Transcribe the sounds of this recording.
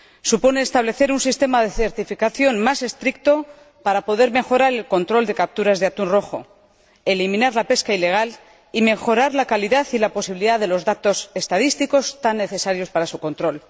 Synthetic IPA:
supo̞ne̞ːst̪aβle̞θe̞ɾunsist̪e̞maðe̞θe̞ɾt̪ifikaθjo̞nmase̞st̪ɾikt̪o̞ | paɾapo̞ðe̞ɾme̞xo̞ɾaɾelko̞nt̪ɾo̞ld̪e̞kap̚t̪uɾazðeat̪unro̞xo̞̰ | e̞limĩnaɾlape̞skaile̞ɣ̞al | ime̞xo̞ɾaɾlakaliðaθilapo̞siβiliðaðe̞lo̞zðat̪o̞se̞st̪að̞ist̪iko̞st̪anːe̞θe̞saɾjo̞spaɾasuko̞nt̪ɾo̞l

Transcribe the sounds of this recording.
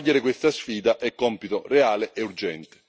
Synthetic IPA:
ʎːeɾɪkwest̪asfiːd̪aʔɛkːɔmpit̪oreaːleʔeurd͡ʒɛnt̪e̥

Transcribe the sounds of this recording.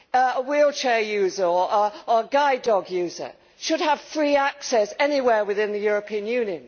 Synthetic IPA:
əwilˠt͡ʃʰɛːjʉːzə˞əəəəɡaɪdɒɡjʉːzə̰˞ | ʃəd̚əv̥fɹiːæksɛsɛniwɛɹwɪðɪ̃nðɨjʊɹəpʰĩə̃njʉ̃njɨ̃n

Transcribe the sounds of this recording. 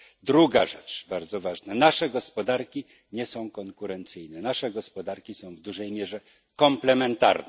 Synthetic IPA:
d̪ɾuɡaʐɛt͡ʂbaɾd̪zɔvaʐnanaʂɛɡɔspɔd̪aɾkʲi | ɲɛsɔ̃w̃kɔŋkuɾɛnt̪sɘjnɛnaʂɛɡɔspɔd̪aɾkʲisɔ̃w̃vd̪uʐɛjmʲjɛʐɛ | kɔmplɛmɛnt̪a̰ɾnɛ

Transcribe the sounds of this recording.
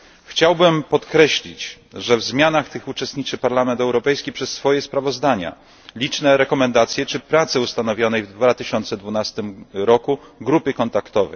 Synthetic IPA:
xt͡ɕawbɘmpɔt̪kɾɛɕlʲit͡ɕ | ʐɛvzmʲjanaxt̪ɘxut͡ʂɛst̪ɲit͡ʂɘpaɾlamɛnt̪ɛwɾɔpɛjskʲipʂɛsːfɔjɛspɾavɔzd̪aɲa̰ | lʲit͡ʂnɛɾɛkɔmɛnd̪at̪sʲjɛt͡ʂɘpɾat̪sɘust̪anɔvʲjɔnɛjvd̪vat̪ɘɕɔnt̪sɛd̪vunast̪ɘmɾɔkuɡɾupɘkɔnt̪akt̪ɔvɛ̰

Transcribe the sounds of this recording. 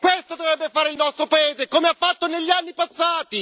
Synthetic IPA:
kwest̪od̪ovɾɛbːefaːɾeilnɔst̪ɾopaeːzekomeafːat̪ːoneʎːianːipasːaːt̪i

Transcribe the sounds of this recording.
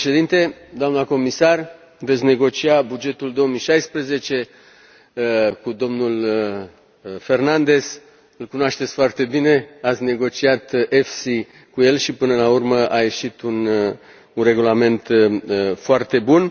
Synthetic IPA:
ʃed̪int̪e̞d̪oamnəko̞misar | ve̞t̪sʲne̞ɡo̞t͡ʃiabud͡ʒe̞t̪uld̪o̞omijʃajspɾəze̞t͡ʃe̞ | kud̪o̞mnul | fe̞rnand̪e̞z̥ | ɨlkunoaʃt̪et̪sʲfoart̪e̞bine̞at̪sʲne̞ɡo̞t͡ʃiat̪ʔefsi | kuje̞lʃipɨnəlaurməʔajeʃit̪un | unre̞ɡulame̞nt̪ | foart̪e̞bun

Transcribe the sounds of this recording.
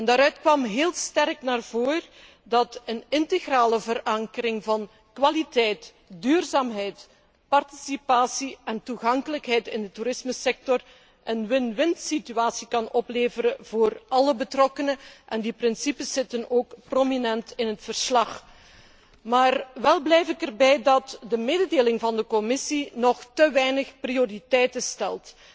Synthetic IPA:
ɛndaːɾœɥtkʋɑmɦeːlˠstɛrknaːrvoːr | dɑtənɪnteɣraːləvəɾɑŋkəɾɪŋvɑn | kʋalitɛjt | dyːrzaːmɦɛjt | pɑrti̥sipaːsiɛntuɣɑŋkələkɦɛjtɪndətuɾɪsməsɛk̚tɔr | ʔənʋɪnʋɪntsityaːsikɑnɔpleːvəɾəv̥oːrɑləbətrɔkənəʔɛndiprɪnsipəsɪtənoːkprominɛntɪnɦətfərslɑx | maːrʋɛlˠblɛjfɪkərbɛjdɑtdəmeːdədeːlɪŋvɑndəkɔmɪsinɔxtəʋɛjnəxprioritɛjtəstɛlˠt

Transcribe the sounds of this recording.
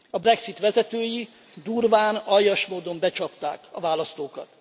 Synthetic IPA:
ɒbrɛksit̪ʋɛzɛt̪øːji | d̪urvaːnɒjːɒʃmoːd̪o̞mbɛt͡ʃɒpt̪a̰ːkɒvaːlɒst̪oːkɒt̪

